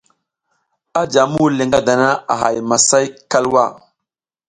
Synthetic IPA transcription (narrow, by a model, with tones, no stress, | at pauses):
a˦d͡ʒa˨mu˦le˨ŋɡa˦da˨na˦a̰˨ɦa̰˨jma˨sa˦jka˦lwa˦˨